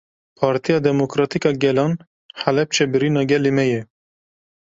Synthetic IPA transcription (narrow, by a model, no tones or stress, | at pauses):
pʰɑːɾt̪ʰijɑːd̪ɛmokɾɑːt̪ikɑːɡɛlɑːn | ħælɛp̚t͡ʃʰɛbɨɾiːnɑːɡɛlemɛjɛ